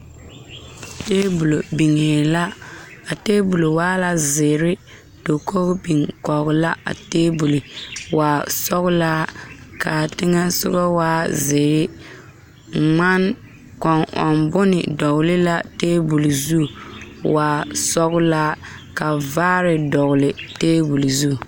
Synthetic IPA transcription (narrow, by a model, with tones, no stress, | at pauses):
teː˦bu˨lo˨bi˨ŋeː˨la˦a˨teː˦bu˨lo˨waː˦la˨zɪ˨ɾɪ˦ | d̥o˨ko˦bi˨ŋkɔ˨ɣʊ˨la˦a̰˨teː˦bu˨li˨waː˨sɔ˦ɣʊ˦la˦ka˨tɪ˦ŋɛ˦sʊ̰˦ɡɔ˦waː˦zɪː˨ɾɪ˦ | ŋ͡ma˦n | kɔ˨ŋɔ̰˨nbʊ˦nɪ̰˨dɔ˨ɣʊ˨lɪ˦la˦teː˦bu˨li˨zu˦˨waː˨sɔ˦ɣʊ˦la˦ | ka˨vaː˦ɾɪ˨dɔ˨ɣʊ˨lɪ˨teː˦bu˨li˨zu˦˨